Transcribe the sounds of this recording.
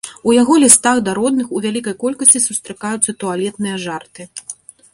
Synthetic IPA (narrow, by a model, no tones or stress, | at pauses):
ujaɣɔlʲist̪aɣd̪aɾɔd̪̚nɨxuvʲalʲikɐjkɔlʲkɐsʲt͡sʲisust̪ɾɨkajut̪sːɐt̪ualʲɛt̪̚nɨjɐʐart̪ɨ